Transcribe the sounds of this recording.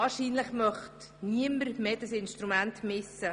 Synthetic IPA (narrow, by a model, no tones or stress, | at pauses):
ɑːɾʃiːnləχmœχt | niəməɾmeːd̥ɑsɪnʃtɾumæntmɪsːə